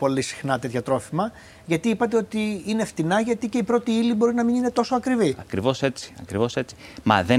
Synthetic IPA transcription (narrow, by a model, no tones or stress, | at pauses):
po̞lisi̥xnɐt̪e̞t̪çɐt̪ɾo̞fimɐ | ʝɐt̪iipɐt̪e̞o̞t̪iine̞ft̪inɐʝɐt̪ice̞ipɾo̞t̪iilibo̞ɾinɐminine̞t̪o̞soɐkɾiviɐkɾivo̞se̞t͡si̥ɐ̰kɾivo̞se̞t͡si̥mɐ̰ðe